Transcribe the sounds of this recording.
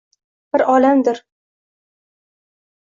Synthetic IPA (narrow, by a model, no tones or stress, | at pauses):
b̥ɪɾʔɒlamd̪ɪɾ